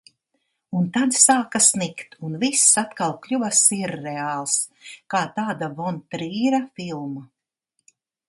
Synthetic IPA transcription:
unt̪ad̪saːkasnikt̪unvisːat̪kalˠklʲuvasiɾːɛaːlˠskaːt̪aːd̪avɔnt̪ɾiːɾafilˠma

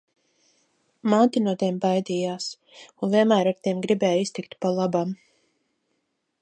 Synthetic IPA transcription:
maːt̪inuɔt̪iɛmbajd̪iːjaːs | unvʲiɛnmæːɾaɾt̪ʲiɛmɡɾibɛːjist̪ikt̪palˠabam

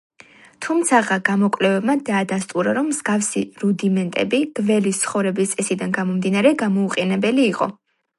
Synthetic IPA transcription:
t̪ʰumt̪sʰaʁaɡamɔkʼlɛvɛbmad̪aːd̪ast̪ʼuɾaɾɔmːz̥ɡafsḭɾud̪imɛnt̪ʼɛ̰biɡ̥vɛlist̪sʰχɔvɾɛbist̪sʼɛsid̪anɡamɔmd̪inaɾɛɡamɔuqʼɛnɛbɛliːqʼɔ̰

